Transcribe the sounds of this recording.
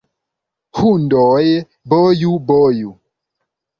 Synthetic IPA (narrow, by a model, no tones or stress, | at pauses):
hundɔːje | bɔjubɔju